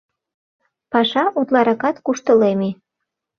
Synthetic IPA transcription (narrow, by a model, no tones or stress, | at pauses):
pɑʃɑʔut̪lɑɾɑkɑt̪kuʃt̪əleme